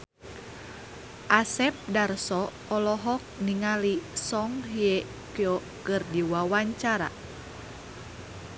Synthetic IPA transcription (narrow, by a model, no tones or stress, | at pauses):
ʔasɛp̚darsɔ | ɔlɔɦɔk̚niŋalisɔŋɦije | kijɔ | kɨrdiwawaɲt͡ʃaɾa̰